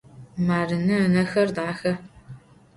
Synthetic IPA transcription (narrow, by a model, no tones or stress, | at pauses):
maːrɨnɨənɐxɐrdaːxɐ